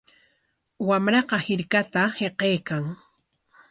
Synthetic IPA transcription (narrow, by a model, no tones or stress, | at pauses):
wamɾɑqɑhɪɾkat̪aheqejkaŋ